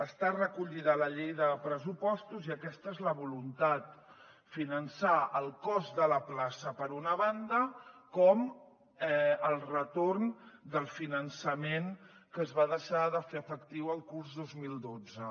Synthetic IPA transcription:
əst̪arəkuʎiðələʎejðəpɾəsupɔst̪uziəkɛst̪əezləβulunt̪at̪̚ | finənsaəlˠkɔzðələplasəpəɾunəβand̪əkɔm | ɛəlˠrət̪ornd̪əlˠfinənsəmen | kəːzβaðəʃaðəfeəfəkt̪iwəlˠkurzðozmilˠd̪od͡zə

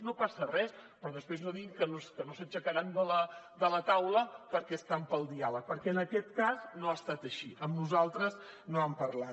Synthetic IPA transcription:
nopasərɛspɾɔðəspɾeznoðiŋkənoskənosət͡ʃəkəɾand̪ələd̪ələt̪awləpəɾkɛst̪ampəlˠd̪ialək̚pəɾkɛənəkɛt̪kaznoast̪at̪əʃiʔəmnuzalˠt̪ɾəz | noəmpəɾla

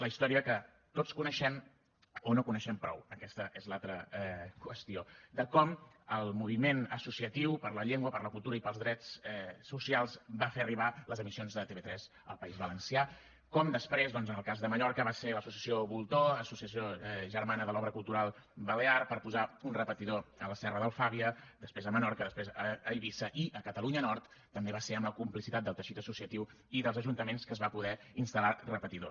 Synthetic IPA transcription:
ləist̪ɔɾiəkə | t̪ot͡skunəʃɛm | onokunəʃɛmpɾɔ̰wəkɛst̪əʔezlalˠt̪ɾəkwəst̪iod̪əkɔm | əlˠmuβ̞imenəsusiət̪iwpəɾləʎeŋɡwəpəɾləkulˠt̪uɾəipəlˠzðɾɛt͡sɛːusialˠzbafeəriβ̞aləzəmisionzðət̪eβet̪ɾɛz | ə̰lˠpəizβələnsia | kɔmd̪əspɾezðɔnzənəlˠkazðəməʎɔɾkəβaseləsusiəsioβulˠt̪oəsusiəsioʒəɾmanəðəlɔβɾəkulˠt̪uɾalˠβəlearpəɾpuzaunrəpət̪iðoələsɛrəðəlˠfaβiəd̪əspɾezəmənɔɾkəðəspɾezəːiβisəʔiʔəkət̪əluɲənɔrt̪ːəmbeβaseəmləkumplisit̪at̪̚d̪əlˠt̪əʃit̪əsusiət̪iw | iðəlˠzəʒunt̪əmenskəzβapuðɛinst̪əlarəpət̪iðo

